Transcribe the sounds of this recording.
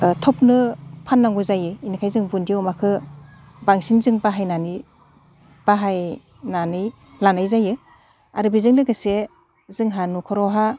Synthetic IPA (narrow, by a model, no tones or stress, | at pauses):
tʰɔp̚nɯpʰanːaŋɡuzajɯinikʰajzɯŋbundiwɔmakʰɯ | baŋsinzɯŋbaɦajnani | b̥aɦaj | nanɯj | lanajzajɯ | aɾɯbizɯŋlɯɡɯse | zɯŋɦanukʰɔɾɔɦa